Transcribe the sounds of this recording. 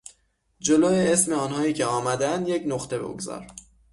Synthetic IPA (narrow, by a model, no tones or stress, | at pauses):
d͡ʒo̞loːjeesme̞ɒːnhɒːjiːcʲʰeɒːmæd̪æænd̪je̞cnoχt̪ʰe̞bo̰ɡzɒ̰ːɾ